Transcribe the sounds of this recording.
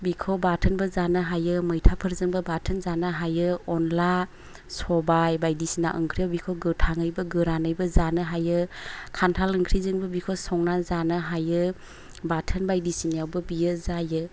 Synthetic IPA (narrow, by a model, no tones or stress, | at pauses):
bikʰobatʰənbəzanɯɦajɯmɯjtʰapʰɯɾzɯŋbəbatʰənzanaɦajɯɔnla | sɔbajbajdisina̰ʔɯŋkʰɾijabikʰoɡɯtʰaŋɯjbɯɡɯɾanɯjbɯzanɯɦajɯkʰantʰalɯŋkʰɾizɯŋbɯbikʰosɔŋnazanaɦajɯ | batʰənbajdisinijawbɯbijɯzajɯ